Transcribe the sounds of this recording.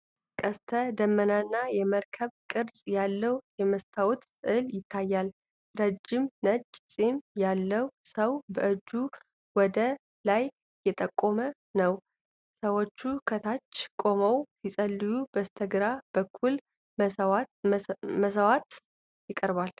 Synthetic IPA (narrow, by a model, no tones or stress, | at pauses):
kʼəst̪ʰəd̪əmːənanːajɛməɾkʰəβkʼɨɾsʼjalːəwjɛməst̪ʰawut̪sʼɨɨljɪt̪ʰːajːal | ɾəd͡ʒɪmnət͡ʃʼːsʼimjalːəwsəwbəʔɨd͡ʒːu | wɔd̪ə | lajː | ɛt̪ʼəkʼːo̞mə | nəw | səwo̞t͡ʃːukʰət̪ʰat͡ʃːkʼo̞məwsisʼəlːɨjubəst̪ʰəɡɾab̥əkʰːul | wa | məsəwat̪ | jɪkʼəɾbal